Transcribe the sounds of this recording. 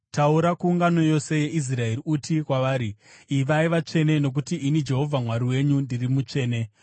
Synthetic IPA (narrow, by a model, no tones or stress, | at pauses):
tauɾakuːŋɡano̞jo̞se̞je̞ʔis̬rae̞riutʰikwaʋaːɾiːʋaiʋat͡ʂe̞ne̞no̞k̬utiʔinid͡ʒe̞ɦo̞vʱamwaɾiwe̞ɲundirimut͡ʂe̞ːne̞